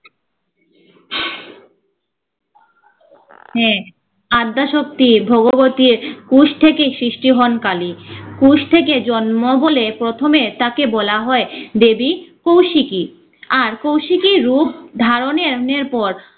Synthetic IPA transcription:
hɛ̃ | ad̪ːaʃok̚t̪ibʱoɡoɡot̪iɾkuʃt̪ʰekesɾiʃʈiɦɔnkalikuʃt̪ʰek̬ed͡ʑɔnmobolepɾot̪ʰomet̪akebɔlaɦɔed̪ebikowʃiki | aɾkowʃikiɾupd̪ʱaɾoneɾneɾpɔɾ

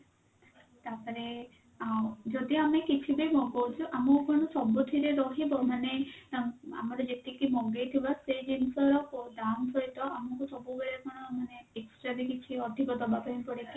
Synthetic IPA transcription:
t̪apɔɾe | awd͡ʒɔd̪iamekit͡ʃʰibejmɔɡɔwt͡ʃʰuʔamɔkɔɽ̃ɔsɔbut̪ʰiɾeɾɔɦibɔmane | a̰maɾɔd͡ʒet̪ikimɔɡet̪ʰibasejd͡ʒinsɔɾɔkodampʰɔit̪ɔʔamɔkusɔbubeɽakɔɽ̃ɔmaneeksʈɾabikit͡ʃʰiɔt̪ʰibɔd̪ɔbapɔɦipɔɽeki

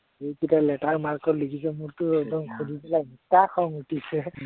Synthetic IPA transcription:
ejkitalɛtaɹmaɹkɔtlikʰis̬ɛmuɹtʊɛdɔŋkʰudʱipilamitakʰɔŋutisɛ

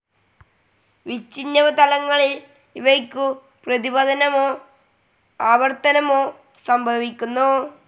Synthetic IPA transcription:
ʋit͡ɕːinːɐʋɐt̪ɐlɐŋːɐɭil | iʋɐkʲːu | prɐðibɐd̪ɐnɐmoː | aːʋɐrt̪ɐnɐmoː | sɐmbʱɐʋikʲːunːu

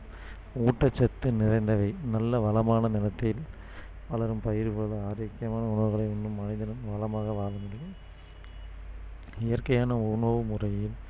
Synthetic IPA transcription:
uːʈːɐt͡ʃːɐt̪ːɯnɪrɐɪnd̪ɐʋɐɪnɐlːɐʋɐlɐmaːnɐnɪlɐt̪ːɪl | ʋɐlɐɾɯmpɐjɪɾpoːlɯaːɾɐːkːɪjɐmaːnɐʊɳɐʋɯɣɐɭɐɪɾɯɳɖɯmːɐnɪðɐnɯmʋɐlɐmaːɣɐʋaːlɯŋɡɐ | ɪjɐɾkɐjaːnɐʊɳoʋɯmʊrɐjɪl

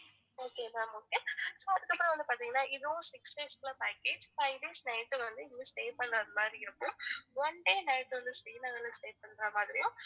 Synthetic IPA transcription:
oːkeːlaoːkesoːɐðɯkːɐpːɾɐ̃ʋɐnd̪ɯpaːɾt̪iŋɡɐnːaːʔɪðɯʊ̃sɪksɖeːsklɐpaːkeːd͡ʒfɐɪʋɖeːsnɐɪʈːɯʋɐnd̪ɯɪnːɯsʈeːpɐɳːɐːðɯmaːd̪ɾiɪɾɯkːɯ̃ʋɔɳɖeːnɐɪʈːʋɐnd̪ɯsʈeːnɐŋɐlːɐsʈeːpɐɳːɾãːmaːðɪɾɪjʊ̃

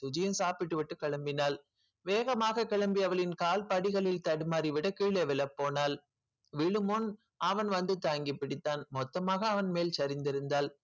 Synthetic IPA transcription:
t̪ʊd͡ʒɪjɐmsaːpɪʈːɯʋɪʈːɯkɐɭɐmbɪnaːl | ʋeːɣɐmaːɣɐkɐɭɐmbɪɐʋɐɭɪnkaːlpɐɽɪɣɐɭɪlt̪ɐɽɯmaːɾiʋɪɽɐkːiːɭeʋɛlɐpːoːnaːl | ʋɪɭɯmɔn | ɐʋɐnʋɐnd̪ɯt̪aːŋɡɪpːɪɽɪt̪ːaːnmɔt̪ːɐmaːɣɐːʋɐnmeːlt͡ʃɐɾɪnd̪ɪɾɯnd̪aːl

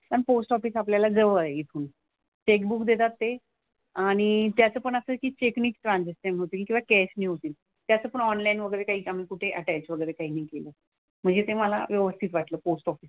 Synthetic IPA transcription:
t̪ənposʈɔfiːsapljalad͡zəʋəɾeit̪ʰuːn | t͡ɕek̚bukd̪et̪at̪ːe | aɽ̃it̪jat͡səːpəɳəsəkiːt͡ɕekniːkʈɾãnd͡zisənɦot̪iːkĩʋakɛsniːɦot̪iːl | t̪jat͡səːpəɳɔnlainʋəɡəjɾekaɦiːam̤iːkuʈʰeʔəʈalt͡sʋəɡəjɾekaɦiːnaɦikeləː | m̤əɳd͡zet̪eməla̰ʋjəʋəst̪ʰit̪ʋaʈləːposʈɔfiːs

